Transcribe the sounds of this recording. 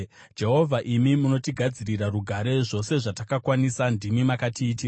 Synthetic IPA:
d͡ʒe̞ɦo̞vʱaʔimimuno̞tiɡʱad͡ziɾiɾaruɡʱaɾe̞ʐo̞se̞ʐatakakwanisandimimakatʰiːtia

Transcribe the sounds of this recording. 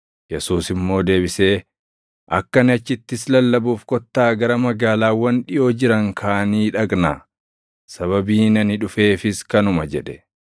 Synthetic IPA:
jɛsuːsɪmːo̞ːd̪e̞ːbɪse̞ː | ʔɐkːɐnɪɐt͡ʃːɪt̪ːɪslɐlːɐbuːfkɔt̪ːaːɡɐɾɐmɐɡaːlaːwɐnᶑɪjoːd͡ʒɪɾɐŋkʰaːniːᶑɐɡna̰ː | sɐβɐbiːnɐnɪᶑʊfe̞ːfɪskɐnʊmɐd͡ʒɛᶑɛ

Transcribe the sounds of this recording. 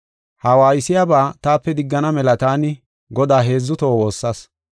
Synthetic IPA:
hɐwaːjɪsɪjabaːt̪aːpːɛd̪ɪɡːɐnɐmɛlɐt̪aːnɪ | ɡɔd̪aːɦe̞ːzːʊt̪o̞ːwo̞ːsːɐs

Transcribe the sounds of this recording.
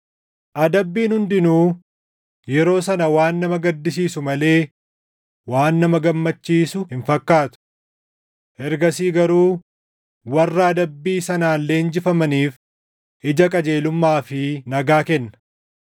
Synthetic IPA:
ʔɐd̪ɐbːiːnhʊnd̪ɪnuː | jɛɾo̞ːsɐnɐwaːnːɐmɐɡɐd̪ːɪsiːsʊmɐle̞ː | waːnːɐmɐɡɐmːɐt͡ʃːiːsʊhɪɱfɐkːaːt̪ʊ̥ | ʔɛɾɡɐsiːɡɐɾuː | wɐrːɐːd̪ɐbːiːsɐnaːnlːe̞ːnd͡ʒɪfɐmɐniːf | ʔɪd͡ʒɐkʼɐd͡ʒe̞ːlʊmːaːfɪnɐɡaːkɛnːɐ̥

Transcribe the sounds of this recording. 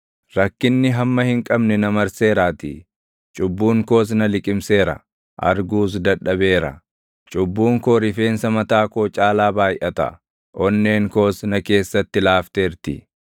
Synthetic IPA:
ɾɐkːɪnːɪɦɐmːɐhɪŋkʼɐbnɛnɐmɐɾse̞ːɾaːt̪ɪ̰ | t͡ʃʼʊbːuːŋko̞ːs̬nɐlɪkʼɪmse̞ːɾɐ̰ | ʔɐ̰ɾɡuːs̬d̪ɐɗːɐbe̞ːɾɐ̰ | t͡ʃʼʊbːuːŋkoːɾɪfe̞ːnsɐmɐt̪aːkoːt͡ʃʼaːlaːbaːjʔɐt̪ɐ̰ | ʔɔnːe̞ːŋko̞ːsnɐke̞ːsːɐt̪ːɪlaːft̪e̞ːɾt̪ɪ

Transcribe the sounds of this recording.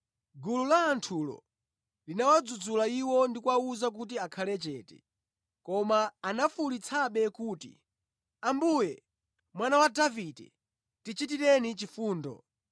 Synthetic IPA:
ɡululaːntʰulɔ̰ | linawad͡zud͡zulaiwɔndikwauzak̬ut̬iakʰalɛt͡ʃɛtɛ̰ | kɔmaːnafulit͡sʰaɓɛkuːtḭ | ambujɛ | mwanawadavidɛ̰ | tit͡ʃit̬iɾɛnit͡ʃifuːndɔ̰

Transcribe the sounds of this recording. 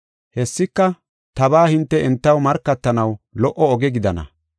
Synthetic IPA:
hɛsːɪkːɐ | t̪ɐbaːhɪnt̪ːɛɛnt̪ːɐwmɐɾkːɐt̪ːɐnɐwlɔʔɔɔɡɛɡɪd̪ɐnɐ̰

